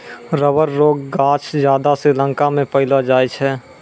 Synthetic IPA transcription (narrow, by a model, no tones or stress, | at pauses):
ɾəʋəɾːoːɡːaːt͡ʃʰd͡ʒjaːd̪aselə̃ŋkamẽpəɦɪlad͡ʒaːjt͡ʃʰɛː